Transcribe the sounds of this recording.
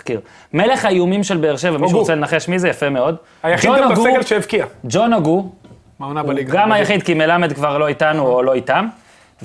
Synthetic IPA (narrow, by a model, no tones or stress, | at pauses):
kiʁ | me̞le̞χajumimʃelbeːʁʃevamiʃuʁot͡selenaχe̞ʃmizejafeme̞o̞d̪ | ajaχionoɡuseɡelʃeivkiad͡ʒo̞noɡu | manaaliɡɡamajaχid̪̚kime̞lamed̪kvaʁlo̞itanuolo̞itam